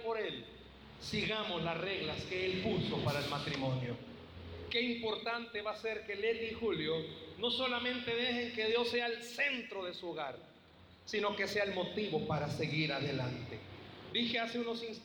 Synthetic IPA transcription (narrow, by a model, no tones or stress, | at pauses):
poɾel | siɣamo̞slasre̞ɣlaske̞elpuso̞paɾaelmat̪ɾimõ̞njo̰ | ke̞impo̞ɾt̪ant̪e̞βase̞ɾke̞let̪ixuljo̞no̞so̞lamẽnt̪e̞ðe̞xe̞ŋke̞ðjo̞sːe̞alse̞nt̪ɾo̞ðe̞suoɣaɾ | sino̞ke̞se̞aelmo̞t̪iβo̞paɾase̞ɣiɾaðe̞lant̪ed̪ixe̞aseuno̞sins